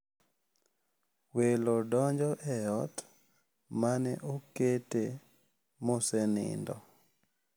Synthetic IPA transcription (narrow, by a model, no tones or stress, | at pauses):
welodɔɲd͡ʒɔʔɛjɔt | manɛʔokete | mosɛnɪ̰ndɔ̰